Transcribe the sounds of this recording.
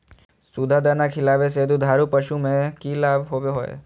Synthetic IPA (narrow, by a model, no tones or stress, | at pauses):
sud̪ʱad̪aːnakʰɪlaːʋes̬eːd̪ud̪ʱaːɾupəʃumẽkilaːbʱɦoːbeɦoːḛː